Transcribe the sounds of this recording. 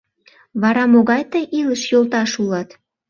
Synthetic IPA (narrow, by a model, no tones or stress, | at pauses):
βɑɾɑmoɣɑjt̪əjʔiləʃjolt̪ɑʃulɑt̪